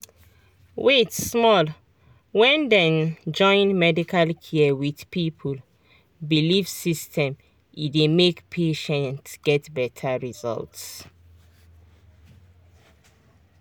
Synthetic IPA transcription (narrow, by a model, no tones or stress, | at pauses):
wetsmɔl | wɛ̃ndɛ̃nd͡ʒɔ̃ɪ̃nmɛdikʰalkʰiɛwiðpipʰul | bilivsistʰɛ̃m | idemekpʰeʃɛ̃ntɡ̥ɛtbɛtʰaɹizɔ̰lts